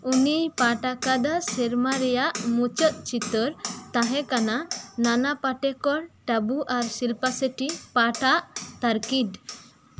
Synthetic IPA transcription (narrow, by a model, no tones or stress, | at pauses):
unijpaʈakad̪asɛɾmaɾɛjaʔmut͡ʃət̪̚t͡ʃit̪əɾt̪aɦɛ̃kanananapaʈɛkɔɽʈabuʔaɾsilpasəʈipaʈaʔt̪aɾkid̪